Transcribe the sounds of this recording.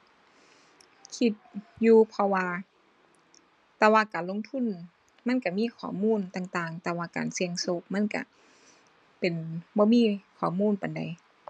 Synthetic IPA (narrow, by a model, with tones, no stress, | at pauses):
kʰi˧t̪̚juː˧pʰɔ˧waː˧ | t̪ɛː˧waː˧˨kaː˨nlo˧˥˨ŋt̪ʰu˧˥˨n | ma˧˥˨nka˧˩miː˧˥˨kʰɔː˨˩muː˧˥˨nt̪aː˧ŋt̪aː˧ŋt̪ɛː˧waː˧ka̰ː˨nsi˧əŋso˧˦k̚ma˧˥˨nka̰˧˩ | pe˨nbɔː˧˦miː˧˥˨kʰɔː˨˩˦muː˧˥˨npa˨˩nda̰˨˩j